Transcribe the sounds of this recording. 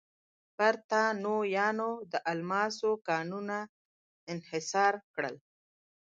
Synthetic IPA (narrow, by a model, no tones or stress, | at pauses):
paɾt̪anojɑnod̪əʔalmɑsokɑnuna | ɪnhɪsɑːɾkɽə̰l